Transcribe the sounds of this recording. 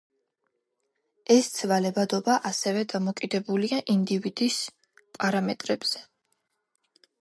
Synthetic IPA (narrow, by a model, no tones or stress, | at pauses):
ɛst̪sʰvalɛbad̪ɔbaʔasɛvɛd̪amɔkʼid̪ɛbuliaʔind̪ivid̪̥is | pʼaɾamɛt̪ʼɾɛbz̥ɛ